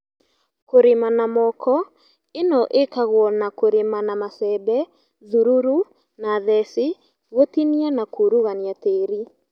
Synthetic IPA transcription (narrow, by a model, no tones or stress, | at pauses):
koɾemanamɔkʰɔ | enɔʔekaɣwɔnakoɾemanamasɛbɛ | ðuɾuɾu | naːðɛse | ɣwotinianakuɾuɣaniateːɾi